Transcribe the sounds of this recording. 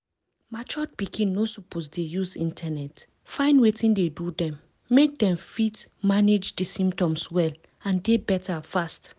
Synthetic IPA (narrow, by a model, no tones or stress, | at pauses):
mat͡ʃɔt̚pikĩnːosuposdejuzḭ̃ntʰanɛt | fãɪ̃ndwetĩndedudɛ̃mː | ek̚dɛ̃mfitmaned͡ʒdisĩmptɔ̃mswɛl | ãndebɛtafast